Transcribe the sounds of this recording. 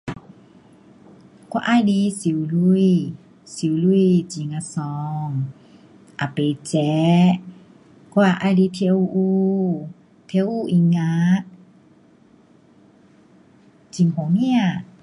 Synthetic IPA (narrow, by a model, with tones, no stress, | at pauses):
kɔ˧˦ʔa˧˨jdi˧˦si˨˦wlu˧j | si˨˦wlu˧jt͡ɕi˨˦ŋa˧sɔː˨˧ŋ | ʔa˨pe˨˦t͡ɕɛ˨˧˦ | ku˧a˧ʔa˧˨jdi˧˦t̪ʰe˧˦wʔuː˧ | t̪ʰe˧˦wʔuː˧ʔi˧˦ŋa˧˦ | t͡ɕi˨˦ŋhɔ˨˦ŋmi˧a˨